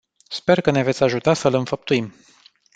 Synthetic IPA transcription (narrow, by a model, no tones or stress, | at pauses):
spe̞rkəneve̞t̪sʲaʒut̪asəlɨnfəp̚t̪uim